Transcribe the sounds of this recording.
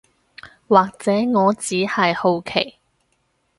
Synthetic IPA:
waː˨k̚t͡sɛː˨˥ŋɔː˨˧t͡siː˨˥hɐ˨jho˨˧wkʰe˨˩j

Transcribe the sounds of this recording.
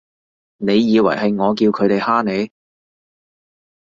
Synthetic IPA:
ne˨˧jːiː˨˧wɐ̰˨˩jɦɐ˨jŋɔː˨˧k̬iː˧wkʰɵ˨˧ɥt̪e˨jhaː˥ne˨˧j

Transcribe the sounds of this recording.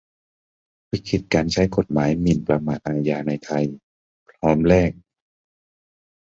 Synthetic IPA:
wu˧˩kʰi˧˩t̪̚kaː˨nt͡ɕʰa˧˥jko˧˩t̪̚maː˨˦jmi˨˧˩npɾa˧maː˧˩t̪̚ʔaː˧jaː˧na˧jt̪ʰa˧j | pʰlɔː˦˥mlɛː˥˩k̚

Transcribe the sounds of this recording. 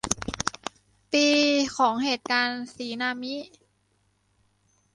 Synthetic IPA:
piː˧kʰɔː˩˦ŋheː˨˩t̪̚kaː˧nsiː˩˦naː˧mi˦˥

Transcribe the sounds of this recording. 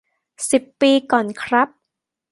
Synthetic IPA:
si˨˩pːiː˧kɔː˨˩nkʰɾa˦˥p̚

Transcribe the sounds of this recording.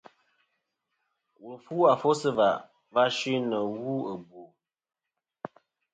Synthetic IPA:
wu˨lfuː˦a˨fo˦sɨ˦va˨ | va˦ʃi˦nə˨wu˦ə˨bu˨

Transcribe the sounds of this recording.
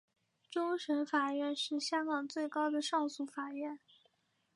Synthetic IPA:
ʈ͡ʂʊ˥ŋʂə˧˥nfa˨˩ɥɛ˥˧nʂɻ̩˥˩ɕjɑ˥ŋkɑ˨˩ŋt͡swe˥˩ɪkɑ˥ʊd̪ə˨ʂɑ˥˧ŋsu˥˩fa˨˩ɥɛ˥˩n

